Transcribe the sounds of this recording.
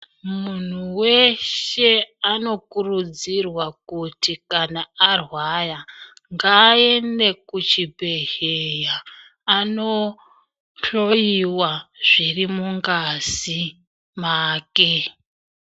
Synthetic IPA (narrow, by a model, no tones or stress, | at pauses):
mun̤uwe̞ʃe̞ano̞kurud͡zirwakutikanaarwaja | ŋɡae̞ne̞kut͡ʃibʱe̞ɦejaː | no̞ | ɬo̞jiwaʐ̥irimuŋɡazi | maːke